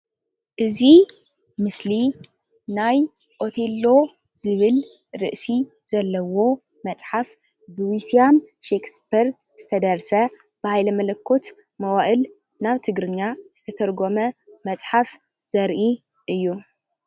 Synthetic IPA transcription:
ʔɨzi | mɨsli | naj | ʔo̞t̪ʰelːo̞ | zɨβɨl | ɾɨʔsi | z̥ɐlːɐwo̞ | mɐt͡sʼħaf | bɨwisiamʃekspiɾ | z̥ɨt̪ʰɐd̪ɐɾsɐ | b̥ɨhajlɐmɐlɐkʰːo̞t̪ | mɐwaʔɨl | naβt̪ʰɨɡɾɨɲːaz̥ɨt̪ʰɐt̪ʰɐɾɡo̞mɐmɐt͡sʼħaf | z̥ɐɾʔi | ʔɨjːu

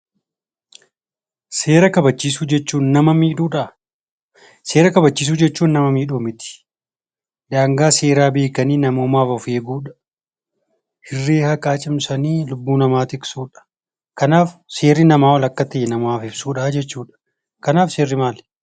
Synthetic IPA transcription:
se̞ːɾɐkɐbɐt͡ʃːiːsuːd͡ʒɛt͡ʃːuːnnɐmɐmiːᶑuːᶑɐ | se̞ːɾɐkɐbɐt͡ʃːiːs̬uːd͡ʒɛt͡ʃːuːnːɐmɐmiːᶑoːmɪt̪ɪ̥ | d̪aːŋɡaːse̞ːɾaːbe̞ːkɐniːnɐmoːmaːfɐfe̞ːɡuːᶑɐ̥ | hɪrːeːhɐkʼaːt͡ʃʼɪmsɐniːlʊbːuːnɐmaːt̪ɪksuːᶑɐ̥ | kɐnaːfse̞ːrːɪnɐmaːwɐlɐkːɐt̪ɐjɛnɐmaːfɪb̥suːᶑaːd͡ʒɛt͡ʃːuːᶑɐ̥ | kɐnaːfse̞ːrːɪmaːl

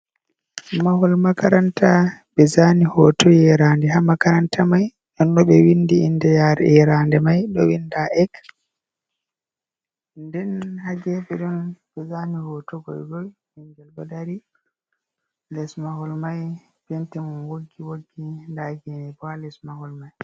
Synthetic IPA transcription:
mahɔlmakaɾantabɛzanihɔtɔjɛɾandɛɦamakaɾantʰamaj | ʔɔnɗɔɓɛwindiinːdɛjaɾɛ̰ɛɾandɛmajɗɔwindaʔɛk | ndɛnhaɡɛɓɛɗɔnbɛzanihɔtɔɡɔ̰jɡɔjwiŋɡɛlbɔdaɾi | lɛsmahɔlmaj | bentɛmunwoɡːiwoɡːindaɡɛnibalɛsmahɔlmaj

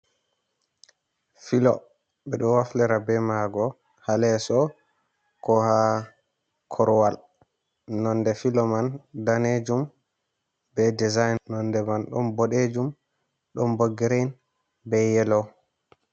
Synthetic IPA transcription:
filɔ̰ | ɓɛɗɔwaflɛɾabɛmaɡɔ | halɛsɔ | kɔha | kʰɔɾwal | nɔndɛfilɔmandaned͡ʒum | bɛdizajnːɔndɛmanɗɔnbɔɗed͡ʒum | ɗɔmboɡɛɾɛn | bɛjɛlɔ

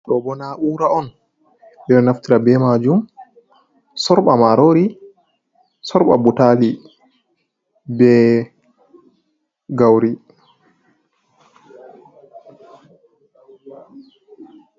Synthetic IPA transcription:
ɗɔbɔnaʔuɾaɔn | ɗɛɗɔnaftiɾabɛmad͡ʒum | sɔɾɓamaɾoɾi | sɔɾɓa̰butali | bɛ | ɡawɾi

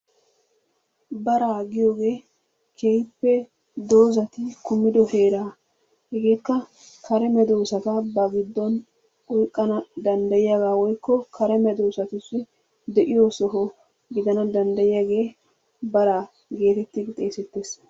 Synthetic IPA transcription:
bɐɾaːɡɪjo̞ːɡe̞ː | kʰejpːɛ | d̪o̞ːzɐt̪ɪkʊmːɪd̪ɔhe̞ːɾaː | hɛɡe̞ːkːɐ | kʰɐɾɛmɛd̪o̞ːsɐt̪ɐbɐɡɪd̪ːɔn | ɔjkʼːɐnɐd̪ɐnd̪ɐjɪjaɡaːwɔjkːɔkʰɐɾɛmɛd̪o̞ːsɐt̪ʊsːɪ | d̪ɛʔɪjoːsɔɦɔ | ɡɪd̪ɐnɐd̪ɐnd̪ɐjɪjaɡe̞ː | bɐɾaː | ɡe̞ːt̪ɛt̪ːɪɡɪt̪ʼe̞ːsɛt̪ːe̞ːs

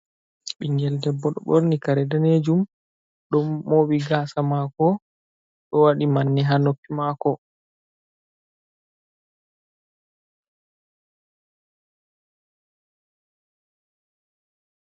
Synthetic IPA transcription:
ɓiŋɡɛldɛbːɔɗɔ̰ɓoɾnikaɾɛdaned͡ʒum | ɗɔmːoɓiɡaːsamakɔ | ɗɔwaɗimanːiɦanokːimakɔ

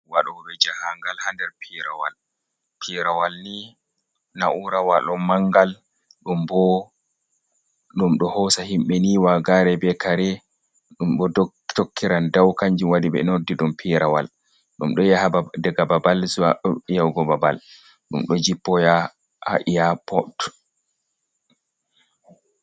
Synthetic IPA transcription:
waɗɔbɛd͡ʒahaŋɡalhandɛɾpʰiɾawa̰l | pʰiɾawalni | naʔuɾawaɗɔmːaŋɡal | ɗumbɔ | ɗumɗɔhɔsahimɓɛniwaɡaɾɛbɛkaɾɛ | ɗumɗɔ | tokːiɾandawkaɲd͡ʒiwadiɓɛ̰noɾdiɗumpʰiɾawa̰l | ɗumɗɔjadɛɡababalsjawɡɔbaba̰l | ɗṵmɗɔd͡ʒipːɔja | ha̰ʔijapʰɔt

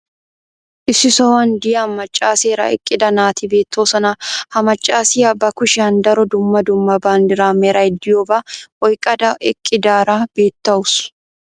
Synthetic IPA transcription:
ʔɪsːɪsɔwɐnd̪ɪjɐmːɐt͡ʃʼːaːseːɾɐ̰ɪ̰kʼːɪd̪ɐnaːt̪ibe̞ːt̪ːoːsɐnahɐmɐt͡ʃʼːaːsɪːɐbːɐkʊʃɪɐnd̪ɐɾɔd̪ʊmːɐd̪ʊmːɐbaːnd̪ɪɾaːmeɾɐɛd̪ːɪjoːbaʔɔjkʼɐd̪ɐʔɪkʼːɪd̪aːɾaːbe̞ːt̪ːɐʊs

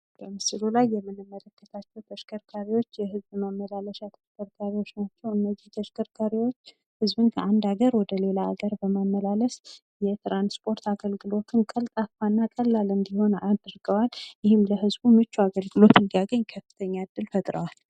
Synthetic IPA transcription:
b̥əmɨsɨlulajːɛmːɨnːɨmːələkːət̪ʰat͡ʃːɛwt̪ʰəʃkʰəɾkʰaɾiwo̞t͡ʃːjɛhɨzbmamːəlaləʃat̪ʰəʃkʰəɾkʰaɾiwo̞t͡ʃːnat͡ʃːɛwɨnːəzːiht̪ʰəʃkʰəɾkʰaɾiwo̞t͡ʃː | hɨzbɨnkʰəand̪aɡəɾwɔd̪əle̞laːɡəɾbəmamːəlaləs | jɛt̪ɾanspʰʼo̞ɾt̪ʰaɡəlɡɨlo̞t̪ʰɨnkʼəlt̪ʼafanːakʼəlːalɨnbiho̞nad̪ɾɡəwaljɪhɪmləɦɨzbumɨt͡ʃːuaɡəlɡɨlo̞t̪ʰɨnd̪ijaɡəɲkʰəfɨ̥t̪ʰəɲːaɨd̪ːɨlfət̪ʼɾə̰wal

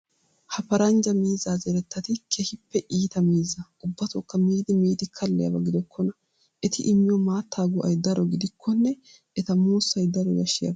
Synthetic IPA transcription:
hɐpɐɾɐnd͡ʒɐmiːzaːzɛɾɛt̪ːɐt̪ɪkʰɛhɪpːɛʔiːt̪ɐmiːzɐʔʊbːɐt̪ɔkːɐmiːd̪ɪmiːd̪ɪkʰɐlːɛjɐ̰bɐɡɪd̪ɔkʰːɔnɐ | ʔɛt̪ɪʔɪmːɪjɔmaːt̪ːaːɡʊʔɐ̰jd̪ɐɾɔɡɪd̪ɪkʰːɔnːɛ | ʔɛt̪ɐmuːsːɐjd̪ɐɾɔɡɐʃːɪjɐ̰

